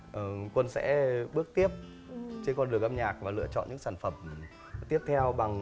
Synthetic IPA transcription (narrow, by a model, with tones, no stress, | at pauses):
ʔə˨˩kwə˧nsɛ̰˧˥ɓɨ˦˥ək̚t̪i˦˥əp̚ | t͡ɕe˧nkɔ˧nɗɨ˨˩əŋʔa˧mɲaː˨˩k̚vaː˨˩lɨ̰˧ət͡ɕɔ̰˧˨nɲɨ̰˧˥ŋsaː˧˩nfə˨˩m | t̪i˦˥əp̚t̪ʰɛ˧wɓa˨˩ŋ